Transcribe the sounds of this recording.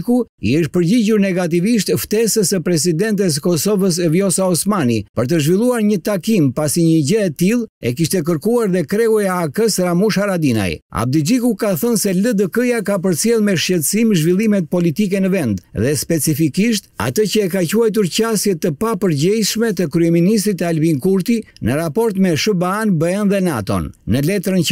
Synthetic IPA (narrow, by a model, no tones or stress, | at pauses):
kuiəʃ̚pəɾɟiɟuɾnɛɡat̪̬iviʃt̪ft̪ɛsəsəpɾɛs̬id̪ɛnt̪̬ɛs̬əkɔsɔvəs̬əvjɔsaɔsmanipəɾt̪̬əʒvilˠuaɾɲət̪akimpasiɲəɟəɛt̪ilˠɛ̰kiʃt̪ɛk̬əɾkuaɾðɛkɾɛujaːkəsɾamuʃaɾad̪ina̰ja̰b̚d̪əd͡ʒikukaθənsɛləd̪əkəjakap̬əɾt͡sjɛlˠmɛʃcɛt̪əsimʒvilˠimɛt̪̚pɔlit̪ikɛnəvɛnd̪ðɛspɛt͡sifikiʃt̪a̰t̪əcəɛkacuajt̪̬uɾcasjɛt̪əpapəɾɟɛjʃmɛt̪əkɾyɛminis̬t̪ɾit̪albiŋkuɾt̪inəɾapɔɾt̪mɛʃəbanbəɛnðɛna̰t̪ɔ̰nːəlɛt̪ɾənə